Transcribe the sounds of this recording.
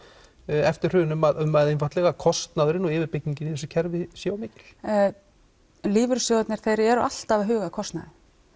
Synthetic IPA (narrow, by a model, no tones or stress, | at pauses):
ɛft̪ɪɾ̥r̥ʏːðɪnʏmaðʏmːaðejnfat̪lɛɣakʰɔst̪naðɾɪnɔɣɪːvɪɾpɪcniɲcɪniθɛs̬ʏcʰɛɾvɪsjoːwmɪːcɪ̥l̥ | liːvʏɾsjowɛt̪nɪɾ̥θejɾɛɾa̰l̥t̪avɦʏːɣakʰɔst̪naðɪ